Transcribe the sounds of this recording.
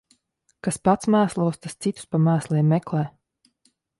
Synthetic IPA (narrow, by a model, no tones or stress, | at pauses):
kaspat̪smæːslˠuɔst̪ast̪sit̪u̥spamæːslˠiɛmːɛklˠɛː